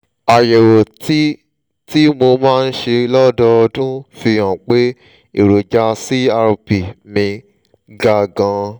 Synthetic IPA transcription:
a˨je˨wo˨ti˦ | ti˦mo˧mãː˦˧n̩˦ʃe˧lɔ˦dɔ˧ɔ˧dũ˦fi˧j̃ɔ̃˨k͡pe˦ | i˨ɾo˨d͡ʒa˧si˦a˧ɾpi˨mĩ˧ | ɡa˧ɡã˧

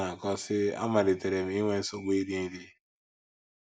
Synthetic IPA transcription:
a˨kɔ˦sɪ˦a̰˦ma˨ɾɪ˨te˨ɾe˨m̩˨˦i˦ŋʷe˦n̩˦so˨ɡ͡be˦i˦di˦i˦di˦

